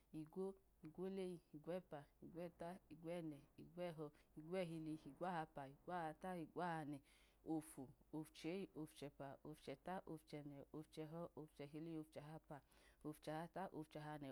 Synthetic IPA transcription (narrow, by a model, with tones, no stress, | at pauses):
i˨ɡʷo˦ | i˨ɡʷo˦le˦i˧i˨ɡwɛ˦˨pa˨i˨ɡʷɛ˦˨ta˦i˨ɡʷɛ˦˨nɛ˨i˨ɡʷɛ˦˨ɦɔ˧i˨ɡʷɛ˦˨ɦi˧li˧i˨ɡʷa˦ha˧pa˨i˨ɡʷa˦a˧ta˦i˨ɡʷa˦ha˧nɛ˨ | o˧fu˨o˧ft͡ʃe˨˦i˦o˧ft͡ʃɛ˧pa˨o˧ft͡ʃɛ˨ta˦ʔo˧ft͡ʃɛ˧nɛ˨o˧ft͡ʃɛ˧ɦɔ˦o˧ft͡ʃɛ˧ɦi˧li˦o˧ft͡ʃɛ˧ɦa˧pa˧o˧ft͡ʃɛ˧ha˧ta˦ʔo̰˧ft͡ʃɛ˧ɦa˧nɛ˨